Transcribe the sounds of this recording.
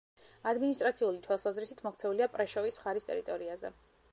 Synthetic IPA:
ad̪minist̪ʼɾat̪sʰiulit̪ʰwalˠsazɾisit̪ʰmɔkʰt̪sʰɛuliapʼɾɛʃɔvismχaɾist̪ʼɛ̰ɾit̪ʼɔɾiazɛ̰

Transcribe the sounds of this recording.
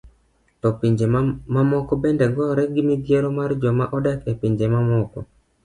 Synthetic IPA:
tɔpiɲd͡ʒemamɔkɔbɛndɛŋɡɔɾɛɡɪmid̪ɪeɾɔmard͡ʒɔmaʔɔdɛkepiɲd͡ʒemamɔkɔ̰

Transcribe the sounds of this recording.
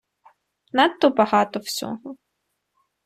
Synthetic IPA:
nat̪ːɔbɐɦɑt̪ɔwsʲɔ̰ɦɔ

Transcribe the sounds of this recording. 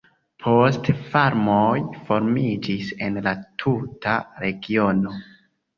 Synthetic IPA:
pʰo̞stfaɾmojfo̞ɾmid͡ʒise̞nlatʰutaɾe̞ɡio̞no̞

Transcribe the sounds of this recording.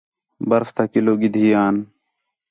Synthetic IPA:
bəɾft̪aːkɪloːɡɪd̪ʱiːjaːn

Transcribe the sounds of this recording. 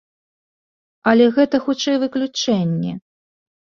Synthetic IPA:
ɐlʲɛɣɛt̪ɐxut͡ʂɛjvɨklʲut͡ʂɛnʲːɛ̰

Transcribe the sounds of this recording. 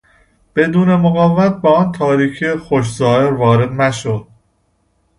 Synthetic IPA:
b̥e̞d̪uːne̞moɣævæt̪̚beɒːnt̪ʰɒːɾiːcʰexoʃ̬zɒːheɾvɒːɾe̞d̪næʃod̪̥̚

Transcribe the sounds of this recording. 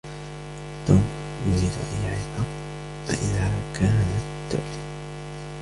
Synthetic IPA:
t̪oːm | jʊziːd̪̰ʔajːaʕɪba | fa̰ʔɪðakaːnat̪ː | ʊ̰ʔ

